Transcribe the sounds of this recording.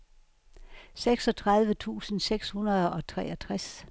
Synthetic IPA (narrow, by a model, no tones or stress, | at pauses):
seɡ̥sɒ̽t͡sʰʁɑ̈ðˠʋət͡sʰṵːsn̩seɡ̥shunɐðˠɒ̽t͡sʰʁɛ̰ːɐt͡sʰʁas